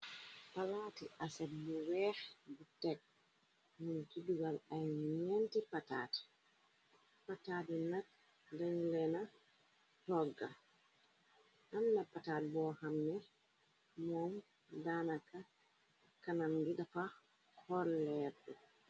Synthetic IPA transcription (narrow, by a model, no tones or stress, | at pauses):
palaːtiʔasɛbuwɛːxbutɛk̚ | nuntiduɡalajɲɛntipata̰ːti̥ | pataːdinat̚ | dɛŋlɛna | tɔɡːa | ʔamnapataːt̚bɔːhamnɛ | mɔm | danaka | kanamɡidafa | kʰɔɾlɛɾdɔ